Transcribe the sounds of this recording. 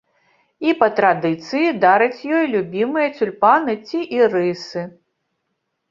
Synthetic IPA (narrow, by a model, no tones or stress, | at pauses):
ipɐt̪ɾad̪ɨt̪sɨjid̪aɾɨt͡sʲjɔjlʲubʲimɨjɐt͡sʲulʲpanɨt͡sʲiʔirɨsɨ